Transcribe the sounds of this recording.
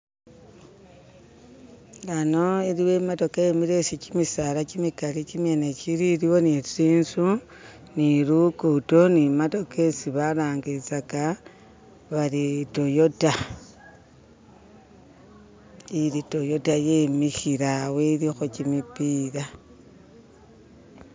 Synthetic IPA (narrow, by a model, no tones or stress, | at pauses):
lanoiɾiwemato̞kajemiɾe̞sit͡ʃimisalat͡ʃimikalit͡ʃimjenet͡ʃiɾiɾiwo̞nisiːnsu | niɾukutonimato̞ke̞siβaɾaːŋɡiɾit͡saka | βalitojo̞ta | iɾito̞jo̞tajemixiɾaweɾixot͡ʃimipiɾa